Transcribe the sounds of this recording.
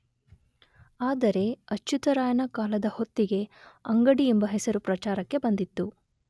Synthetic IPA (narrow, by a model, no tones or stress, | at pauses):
aːd̪ɐɾe̞ɐt͡ʃːut̪ɐɾaːjɐnɐkaːlɐd̪ɐhot̪ːiɡe̞ɐŋɡɐɽiembɐɦɛsɐɾupɾɐt͡ʃaːɾɐkːe̞bɐnd̪it̪ːu